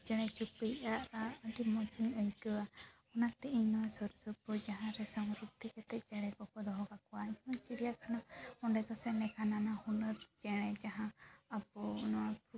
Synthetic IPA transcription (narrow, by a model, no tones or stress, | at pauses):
d͡ʒɛɽ̃ɛt͡ʃupejʔaʔɾaːʈimɔt͡ʃiɲɔjkɔwa | ɔnat̪ɛʔiɲnɔwasɔɾusɔpɔd͡ʒaɦãɾɛsɔŋɾuk̚t̪ʰikɛt̪ɛt̪̚d͡ʒɛɽ̃ɛkɔkɔd̪ɔɦɔɡakɔwaĩd͡ʒɛmɔnt͡ʃiɽijakʰanɔhɔɳɖɛd̪ɔsɛnɛkʰananahunɔɾd͡ʒɛɽ̃ɛd͡ʒaɦãːbɔnɔap